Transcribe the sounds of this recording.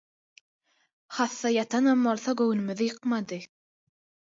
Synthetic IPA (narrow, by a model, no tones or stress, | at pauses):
χɑθːɑjɑt̪ʰɑnɑmːolˠθɑɡɵwnymyðɪjɯqmɑd̪ɯ